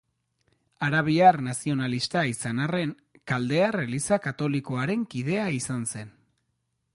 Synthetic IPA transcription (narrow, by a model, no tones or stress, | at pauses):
aɾaβ̞iarnasio̞nalist̪aisanare̞ŋ | kald̪e̞arelisakat̪o̞liko̞aɾe̞ŋkiðe̞aisanse̞n